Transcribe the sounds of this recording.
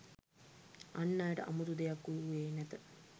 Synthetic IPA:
anːaːjəʈəʔa̰mud̪ud̪ejakːujuʋeːnæt̪ə

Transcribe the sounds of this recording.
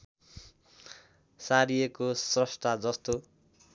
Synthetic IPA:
saɾijekosrʌsʈ̪ad͡zʌst̪o

